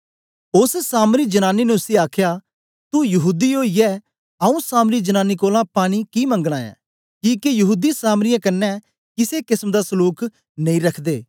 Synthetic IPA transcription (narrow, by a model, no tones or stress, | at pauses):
ʊssaːmɾiːd͡ʒənaːninɛʊsiaːkʰjaː | t̪ujɐɦuːd̪ioːiɛː | əũːsaːmɾiːd͡ʒənaːniːkoːlãpaːɽ̃ikiːmə̃ŋɡɽ̃ãːɛ̰̃ː | kiːkejɐɦuːd̪isaːmɾɪjãːkənːɛː | kɪsekɪsmd̪aːsəluːk | nɐ̃ĩɾɐkʰd̪eː